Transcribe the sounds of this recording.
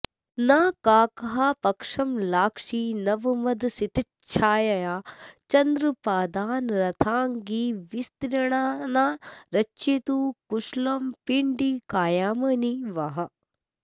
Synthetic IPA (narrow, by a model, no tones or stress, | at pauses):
naːkaːkɐɦaːpɐkʂɐmlaːkʂiːnɐʋɐmɐd̪sit̪i | t͡ʃʰaːjɐjaːt͡ʃɐnd̪ɾɨpaːd̪aːnɾɐt̪ʰaːŋɡiːʋist̪ɾɐɳaːnaːɾɐt͡ʃit̪uːkuʃlɐmpiɳɖiːkaːjaːmɐniʋɐɦɐ